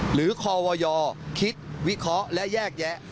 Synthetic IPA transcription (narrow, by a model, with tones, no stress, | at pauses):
ɾɯː˩˦kʰɔː˧wɔː˧jɔː˧kʰi˦˥t̪̚wi˦˥kʰɾɔ˦˥ʔlɛ˦˥ʔjɛː˥˩k̚jɛ˦˥ʔ